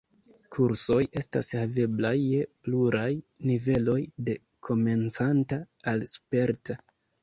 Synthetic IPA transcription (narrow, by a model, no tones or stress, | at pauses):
kʰuɾso̞je̞sta̰shave̞blajːepluɾajnive̞lo̞jde̞ | kʰo̞me̞nt͡santaːlspe̞ɾta